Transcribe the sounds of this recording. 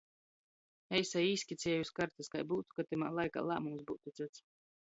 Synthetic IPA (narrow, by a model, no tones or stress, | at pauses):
ɛjsajiːsʲkʲit̪sʲiɛjuskaɾt̪askajbuːt̪u̥kat̪ima̰ːlˠajka̰ːlˠa̰ːmumsbuːt̪ut̪sɨt̪s